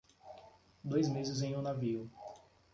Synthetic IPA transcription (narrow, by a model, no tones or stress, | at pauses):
d̪ojzmezɪzẽj̃ʊnaviʊ